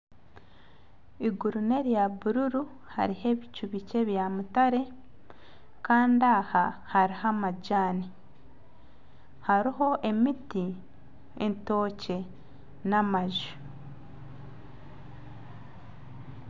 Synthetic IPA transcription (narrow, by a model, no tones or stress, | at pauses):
iɡuɾune̞ɾjaβuɾuɾu | ha̰ɾihe̞βicuβice̞βjamutaɾe̞ | kaːndahahaɾihamaɟaːni | haɾiɦo̞ʔe̞miti | ento̞ːce̞ | namaʒu̥